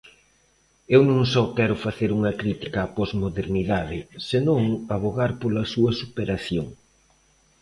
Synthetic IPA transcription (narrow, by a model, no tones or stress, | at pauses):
ewnõŋsɔkɛɾʊfaθeɾuŋɐkɾit̪i̥kaːpɔzmoðeɾniðaðɪsenõŋaβoɣaɾpolɐsuɐsupeɾaθjoŋ